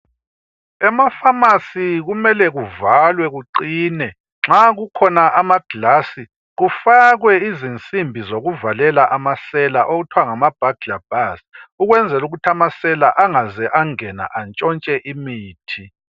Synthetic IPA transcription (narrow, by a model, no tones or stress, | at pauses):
ɛmafamasiɣumɛlɛɣuvalwɛɣuǃiːnɛ | ŋ͡ǁaɣukʰɔnaʔamaɡ̥ʱlasi | ɣufaɣwɛizint͡sʼimbʱizoɣuvalɛlaʔamasɛlaʔoɣutʰwaŋamab̥ʱaɡ̥ɮab̥ʱasuɣwɛnd͡zʱɛluɣutʰamasɛlaʔaŋazɛʔaŋɛna̰ʔant͡ʃʼɔnt͡ʃʼɛʔimiːtʰi